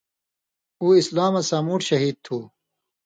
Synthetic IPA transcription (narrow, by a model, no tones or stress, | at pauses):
uːislaːmɐsaːmuːʈɕɐɦiːd̪̚t̪ʰuː